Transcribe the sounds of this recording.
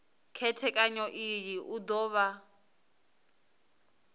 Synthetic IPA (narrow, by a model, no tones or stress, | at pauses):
kʰɛtʰɛkʼaɲɔʔijiʔudɔːβa